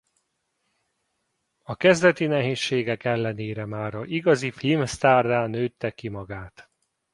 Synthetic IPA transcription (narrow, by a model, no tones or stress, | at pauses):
ɒkɛzd̪ɛt̪inɛɦeːʃːeːɡɛkɛlːɛneːɾɛmaːɾɒiɡɒzifilmst̪aːrd̪aːnøːt̪ːɛkːimɒɡaːt̪